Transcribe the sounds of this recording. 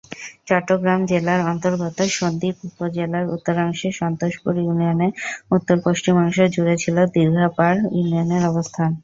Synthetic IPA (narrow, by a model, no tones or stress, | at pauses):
t͡ɕɔʈːoɡɾamd͡ʑelaɾɔnt̪oɾɡɔt̪oʃond̪iupod͡ʑelaɾṵt̪ːoɾaŋʃeʃɔnt̪oʃpuɾjunioneut̪ːoɾpoʃt͡ɕimaŋʃed͡ʑuɽɾet͡ɕʰilod̪iɾɡʱapaɾjunioneɾɔbost̪ʰan